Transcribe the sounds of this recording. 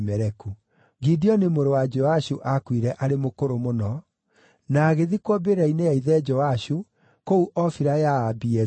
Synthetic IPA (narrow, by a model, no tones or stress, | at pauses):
mɛɾɛku | ɡidiɔnemoɾowad͡ʒɔaɕuʔakwiɾɛʔaɾemokoɾomonɔ | naːɣeðikwɔbeɾainejaiðɛd͡ʒɔaɕu | kouʔɔfiɾajaːbiɛ